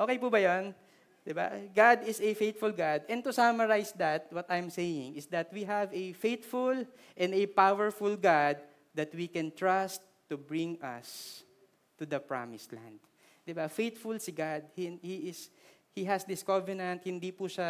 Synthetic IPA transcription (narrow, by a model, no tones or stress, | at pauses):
ʔoːkejpubɐjon | d̪ɪba̰ɡad̪ɪsɛfejt̪fʊlɡad̪ɛ̃nt̪ʊsamɐɹajsd̪ɐt̪̚wɔt̪ajmsejɪ̃ŋɪsd̪ɐt̪̚wiɦɐvɛfejt̪fʊl | ʔɛ̃nd̪ɛpawɛɹfʊlɡad̪̚ː | ɐt̪wikɛ̃nt̪ɹast̪ːubɹɪ̃ŋʔɐ̰s | t̪ud̪ɐpɹa̰mɪslã̰nd̪̚ | d̪ɪbafejt̪fʊlsiɡad̪̚hihiɪs | hiɦɐsd̪ɪskɔvɛnɐ̃nt̪̚hɪ̃nd̪ipuʃa